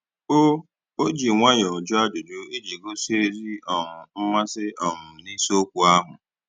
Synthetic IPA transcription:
o˦ | o˦d͡ʒi˨ŋʷa˦ɲɔ˨d͡ʒʊ˦a˦d͡ʒʊ˨d͡ʒu˦e˦d͡ʒi˨ɡo˦se˦ɾi˦ɔ˨ŋʊ˨m̩˦ma˦sɪ˦ɔ˨ŋʊ˨ni˦so˦kʷu˨a˦ɦʊ̰˨

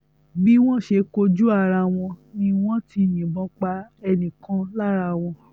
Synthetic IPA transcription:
bi˦w̃ɔ̃˦ʃe˧ko˧d͡ʒu˦a˦˨ɾa˧w̃ɔ̃˧nĩ˧w̃ɔ̃˦ti˧nĩ˨bɔ̃˨˧˦k͡pa˧ɛ˧nĩ˨kã˧˦la˦ɾa˧w̃ɔ̃˧

